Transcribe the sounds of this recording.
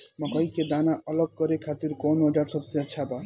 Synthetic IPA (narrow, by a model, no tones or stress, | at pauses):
mʌkʌjked̪anaʌlʌɡ̚kʌɾekʰat̪iɾkonoɖaɾsʌbsid̪at͡ʃʰabʌ